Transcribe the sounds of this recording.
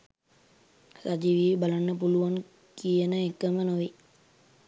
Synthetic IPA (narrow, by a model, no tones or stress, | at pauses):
sad͡ʒiʋiːbalanːəpuluʋan | kijənəekːəmənoʋi